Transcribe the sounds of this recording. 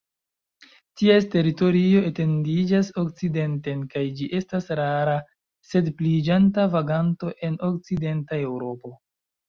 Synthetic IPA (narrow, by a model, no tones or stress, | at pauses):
tieste̞ɾito̞ɾio̞e̞te̞ndid͡ʒaso̞kt͡side̞nte̞nkajd͡ʒiʔe̞stasɾaɾa | se̞dplid͡ʒantavaɡanto̞ʔe̞no̞k̚t͡side̞ntae̞wɾo̞po̞